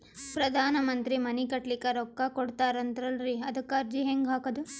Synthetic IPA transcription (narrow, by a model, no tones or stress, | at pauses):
pɾɐd̪ʱaːnɐmɐnt̪ɾimɐnikɐʈlikɐɾɔkːɐkoɽt̪aːɾɐnd̪ɐɾɐlɾiɐd̪ɐkːɐɾd͡ʒiɦeŋɡɦaːkɐd̪u